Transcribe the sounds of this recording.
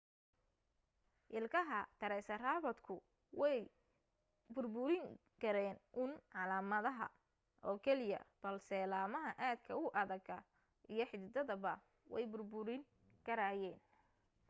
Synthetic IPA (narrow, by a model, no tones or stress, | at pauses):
ʔɪlkʰɐɦɐt̪ʰɐɾɛsɐraːβɐd̪kʰʊ | wɛj | bʊrbʊɾɪŋ | kʰɐɾɛːnʔʊnʕɑlaːmɐðɐɦɐ̰ | ʔɔːkʰɛlɪjɐ̰b̥ɐlsɛːlaːmɐɦɐʔaːd̪̚kʰɐʊʔɐðɐɡɐ | ʔijɞħɪd̪d̪ɐðɐβɐ | wɛ̰jbʊrbʊɾɪŋ | kʰɐɾaːjɛːn